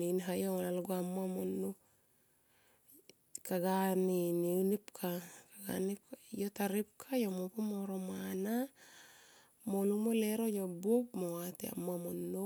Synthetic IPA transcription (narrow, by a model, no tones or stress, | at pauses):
ninɦajoŋlalɡoamoamonːo | kaɡaniniunipkʰakaɡa̰nijotaɾip̚kʰajomopomoɾomana | molumoleɾojobop̚mowat̪ḛa̰moamonːo